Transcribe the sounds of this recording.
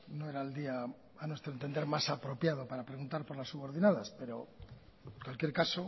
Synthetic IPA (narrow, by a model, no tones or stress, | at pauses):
noeɾaeld̪iaː | nwe̞st̪ɾoent̪e̞nd̪e̞ɾmasapɾo̞pjaðo̞paɾapɾe̞ɣunt̪aɾpo̞ɾlasːuβo̞ɾðinaðaspe̞ɾo̞ | kwalkje̞ɾkaso